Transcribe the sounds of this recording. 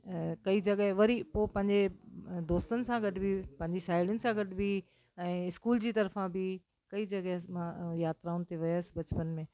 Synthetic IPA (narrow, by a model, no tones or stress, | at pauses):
kɐid͡ʑɐɠəɦʋɐɾipopɐ̃ɦɪ̃ɲd͡ʑed̪oːst̪ənɪ̆sãɡɐʈbʱipɐ̃ɦɪ̃ɲd͡ʑisaːɪɽənɪ̆sãɡɐʈbʱi | ɛ̃ːɪskuːld͡ʑiːt̪ɐɾfãbi | kɐid͡ʑɐɠɦmãjaːt̪ɾaːʊnɪ̆t̪eʋɐjasbɐt͡ɕpənmẽː